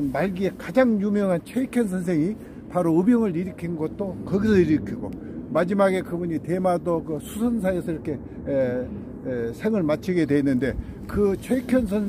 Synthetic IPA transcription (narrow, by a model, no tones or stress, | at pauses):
nmaɭɡie̞kad͡ʑaŋjumjʌŋɦant͡ɕʰʌikʰjʌnsʰʌns̬ʰe̞ŋi | paɾoɯbjʌŋɯɭiɾikʰinɡʌt̚t͈okʌɡisʰʌiɾikʰiɡo | mad͡ʑimaɡe̞kɯbuɲite̞madokɯsʰu̥sʰʌns̬ʰaesʰʌiɾʌkʰe̞ | sʰe̞ŋɯɭmat͡ɕʰiɡe̞dwe̞nːɯnde̞ | kɯt͡ɕʰekʰjʌns̬ʰʌn